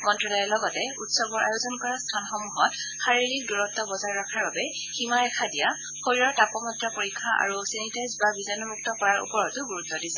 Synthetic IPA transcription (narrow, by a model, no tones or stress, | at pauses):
mɔntɹɔlɔjɔlɔɡɔtɛutsɔbɔɹʔa̰jozɔnkɔɹastʰanxɔmuɦɔt | xaɹiɹik̚duɹɔtːɔbɔzaɹɹakʰaɹbabɛ | ximaɹɛkʰadija | xojɹɔɹtapɔmɔtɹapoɹikʰːaʔa̰ɹusɛnitajzbabizɔjnɔmuk̚tɔkɔɹaɹṵpɔɹɔtʊɡuɹutːɔdisɛ